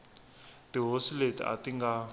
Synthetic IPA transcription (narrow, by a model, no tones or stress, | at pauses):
tiɦosiletḭa̰tiŋɡa